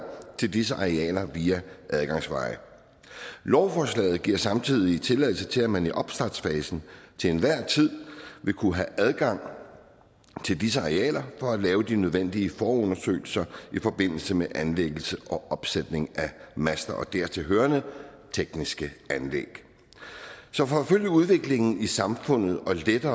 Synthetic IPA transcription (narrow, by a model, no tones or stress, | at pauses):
t͡sʰe̝ld̥isəʔɑ̈ʁɛ̰ːlɐʋiːæʔæð̞ˠɡ̥ɑ̈ŋsʋɑ̈ɪ | lɒʊfɒːslɛ̰ːð̩ˠɡ̥iɐ̰sɑ̈mt͡sʰið̰ˠit͡sʰe̝lɛð̰ˠl̩sət͡sʰe̝læmæniʔɒ̽b̥sd̥ɑd̥sfɛːsn̩t͡sʰe̝enʋæɐ̰t͡sʰið̞̰ˠʋe̝kʰuɦæʔæð̞ˠɡ̥ɑ̈ŋ̰ | t͡sʰe̝ld̥is̬əɑ̈ʁeɛ̰ːlɐfɒ̽ælɛːʊd̥inøð̞ˠʋen̰d̥iəfɒːɔ̽nɐsø̰ːɪl̩sɐifɒ̽b̥e̝n̰l̩səmeʔænleɡ̥l̩səʔɒ̽ʔɒ̽b̥sed̥ne̝ŋæmæsd̥ɐɒ̽d̥æɐ̰t͡sʰe̝ɦøːɐnə | t͡sʰeɡ̥nisɡ̥əænlḛɡ̥ | sɒ̽fɒføl̰jəuð̞ˠʋe̝ɡ̥le̝ŋn̩isɑ̈mfɔ̽n̰ð̞̩ˠɒ̽led̥ɐː